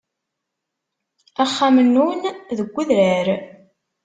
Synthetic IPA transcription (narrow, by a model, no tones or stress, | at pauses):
æχːamənːunðəɡʷːəðɾæɾ